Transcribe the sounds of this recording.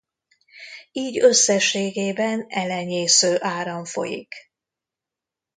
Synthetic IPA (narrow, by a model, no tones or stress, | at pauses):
iːɟøsːɛʃːeːɡeːbɛnɛlɛɲeːsøːʔaːɾɒɱfo̞̰jḭk